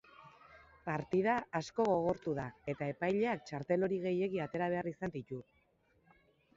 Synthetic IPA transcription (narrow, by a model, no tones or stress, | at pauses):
paɾt̪ið̞aːsko̞ɣo̞ɣ̞o̞ɾt̪uðae̞t̪ae̞pajʎe̞ak̚t͡ʃaɾt̪e̞lo̞ɾiɣe̞je̞ɣiat̪e̞ɾaβ̞e̞arisand̪it̪u